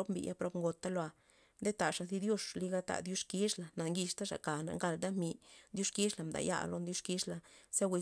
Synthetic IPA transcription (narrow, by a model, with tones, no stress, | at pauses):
o˦pmbḭ˨jʔa˦pɾo˦pŋɡo˨t̪ːa˦lo˧a˧ | nd̪e˦t̪a˨ʂa˨zi˦d̪jo˦ʂli˦˧ɡa˦t̪a̰˨d̪ju˦ʂki˦ʂla˨na˨ŋɡi˧ʂt̪a˦ʂa̰˨ka˨na̰˨ŋɡa˧˨ld̪a˦mi˨d̪ju˦ʂki˦ʂla˨md̪a̰˨ja̰˦lo˧˦nd̪ju˦ʂki˦ʂla˧˨sa˦we˧